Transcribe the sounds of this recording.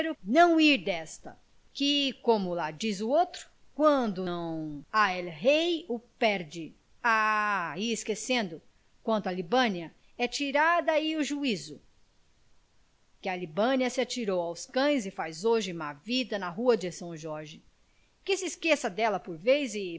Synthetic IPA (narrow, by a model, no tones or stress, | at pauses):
ɾʊnɐ̃w̃iɾd̪ɛst̪ɐ̰ | kɪkõmʊlad͡ʒizʊowt̪ɾʊ̥ | kwɐ̃d̪ʊ̃w̃aɛlɦejʊpɛɾd͡ʒɪ | aiɪskesẽnd̪ʊ | kwɐ̃nt̪ʊalibɐ̃niɐ | ɛt͡ʃiɾad̪ɐiʊʒuizʊ | kɪɐlibɐ̃niɐsɪat͡ʃiɾowawskɐ̃j̃zɪfajzoʒɪ̃mavid̪ɐnɐɦuɐd͡ʒɪsɐ̃w̃ʒɔɾʒɪ | kɪsɪskesɐd̪ɛlɐpoɾvejzɪ